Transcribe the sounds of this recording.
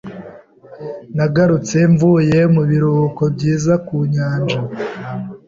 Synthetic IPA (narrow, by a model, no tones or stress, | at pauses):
naɡaɾut͡se̞ɱvuje̞muβiɾuko̞bɟiːzakuɲaːnd͡ʒa